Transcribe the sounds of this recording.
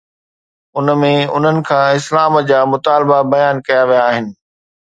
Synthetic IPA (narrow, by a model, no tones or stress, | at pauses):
ʊnəmẽʊ̰n̤ənɪ̆kʰãːɪslaːmd͡ʑaːmʊt̪aːlbabɐjaːnkɐjaʋijaːɦɪnɪ̆